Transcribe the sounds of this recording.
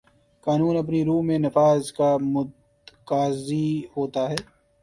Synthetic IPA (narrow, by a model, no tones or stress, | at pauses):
kaːnuːnɐp̬niɾuːmẽnɐfaːzkamʊd̪ | kaːzihoːt̪aɦɛː